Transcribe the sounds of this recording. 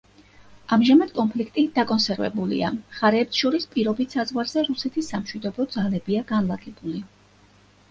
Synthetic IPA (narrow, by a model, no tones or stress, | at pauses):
amʒamad̪̥kʼɔnpʰlikʰt̪ʼid̪̥akʼɔnsɛɾvɛ̰bulḭa̰χaɾɛːpsʃɔɾispʼiɾɔbit̪ʰsazʁwaɾz̥ɛɾusɛt̪ʰisːamʃwid̪ɔbɔd̪zalɛbiaɡanlˠaɡʼɛb̥uli